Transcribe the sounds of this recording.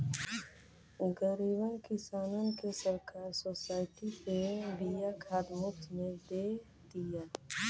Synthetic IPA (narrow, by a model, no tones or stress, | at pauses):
ɡəɾiːbənkɪsaːnonkesəɾkaːɾsoːsaːɪʈipebijakʰaːd̪mʊft̪ʰmẽd̪eː | d̪ijaː